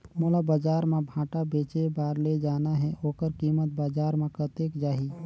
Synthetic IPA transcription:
mulabad͡ʒaːɾmẽbʱãːʈabeːt͡ʃebaːɾled͡ʒaːnaɦɛoːkəɾkiːmət̪̚baːd͡ʒaːɾmẽkət̪eːkd͡ʒaːɦiː

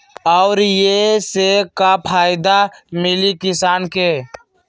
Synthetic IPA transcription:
ɔʊɾjesekapʰaːɪd̪amɪlikɪsaːnke

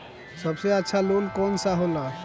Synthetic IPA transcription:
sɔbseətːʃʰalolkɔnsaɦola

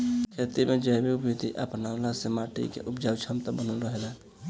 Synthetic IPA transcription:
kʰet̪imed͡ʒəbiupjit̪iʔəpnalasemaʈḭkḛʔupd͡ʒawt͡ʃʰəmt̪əbənəlɾəɦela

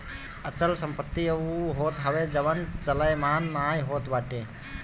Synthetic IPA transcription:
ɐt͡ʃəlsə̃mpət̪ːiəuɦoːt̪ɦɐʋed͡ʒɐʋənt͡ʃɐləjmaːnmaːjɦoːt̪baːʈeː

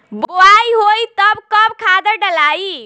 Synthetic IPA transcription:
bboaiɦoit̪əbkəbkʰad̪əɾɖəlai

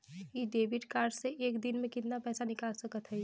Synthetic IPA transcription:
iɖeːbɪʈkaːɾɖseʔeːkd̪ɪnmẽkɪt̪napɛːsanɪkaːlsɐkət̪ɦɛ

